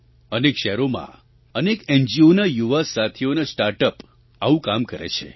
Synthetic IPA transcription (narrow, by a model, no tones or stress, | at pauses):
ənekʃɛɾomã̰ | ənekɛnd͡ʒionajuʋasat̪ʰionasʈaɾʈəp | aʋũkamkəɾḛt͡ʃʰḛ